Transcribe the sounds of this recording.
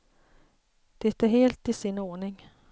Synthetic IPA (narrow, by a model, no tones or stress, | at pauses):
d̪̥ɛt̪æɾɦeːlt̪ɪsɪnːoːɳɪŋ